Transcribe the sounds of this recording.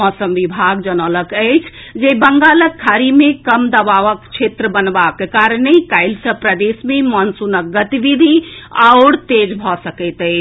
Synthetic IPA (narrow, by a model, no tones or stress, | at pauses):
ɔsəmʋibʱaɡd͡ʒənələkəɪt͡ʃʰ | d͡ʒebəŋɡaləkʰːaɾimẽkəmd̪əbaʋəkt͡ʃʰet̪ɾəbənbakːekaɾənekaɪlsəpɾəd̪esmemɔnsunək̚ɡət̪iʋid̪ʱiawɽt̪ed͡ʒbʱɔsəkət̪ə